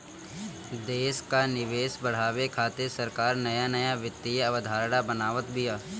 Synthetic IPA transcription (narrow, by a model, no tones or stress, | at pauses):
d̪eːʃkanɪʋeːʃbɐɽ̤aːʋekʰaːt̪esɐɾkaːɾnɐjanɐjaʋɪt̪ːijɐʋəd̪ʱaːɾɽabɐnaːʋət̪bʱɪjaː